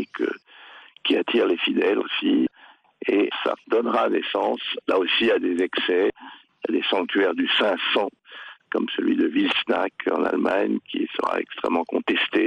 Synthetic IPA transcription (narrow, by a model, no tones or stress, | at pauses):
ekʰə | kʲiat̪ʰiʁlefid̪ɛlosi | esa̰d̪ɔnʁanɛsɑ̃slaosiad̪ezɛksɛ | ad̪esɑ̃k̚t̪ɥɛʁd̪ysɛ̃sɑ̃ | kɔmsəlɥid̪əvilsnakʰɑ̰̃na̰lmaɲkʲʰisəʁa̰ɛkst̪χɛmːɑ̃kɔ̃t̪ɛst̪e